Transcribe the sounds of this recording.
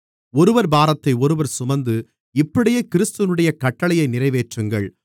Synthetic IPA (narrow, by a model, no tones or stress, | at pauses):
ɔɾɯʋɐɾbaːɾɐt̪ːɐɪɔɾɯʋɐɾsʊmɐnd̪ɯ | ɪpːɐɽɪjeːkɪɾɪst̪ɯʋɐnɯɽɐjɐkɐʈːɐɭɐjɐɪnɪrɐɪʋeːʈrɯŋɡɐ̰ɭ